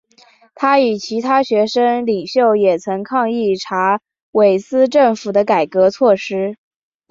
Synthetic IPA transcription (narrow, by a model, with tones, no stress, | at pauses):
t̪ʰa˥y˨˩t͡ɕʰi˧˥t̪ʰa˥ɕɥɛ˧˥ʂə˥ŋli˨˩ŋɕjo˥˩ʊjɛ˨˩t͡sʰɤ˧˥ŋkʰɑ˥˧ŋi˥˩ʈ͡ʂʰa˧˥ | we˨˩ɪsɹ̩˥˧ʈ͡ʂɤ˥˩ŋfu˨˩d̪ə˦ka˨˩ɪkɤ˧˥t͡sʰwɔ˥˩ʂɻ̩˥